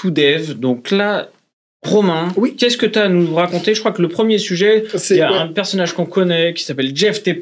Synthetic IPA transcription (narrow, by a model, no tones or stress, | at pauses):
tud̪ɛvd̪ɔ̃kla | ʁɔmɛ̃ikʲɛskət̪yanuʁakɔ̃t̪eʒəkχwakləpχəmjesyʒɛjaɛ̃pɛʁsɔnaʒkɔ̃kɔnɛkʲi̥sapɛld͡ʒɛft̪e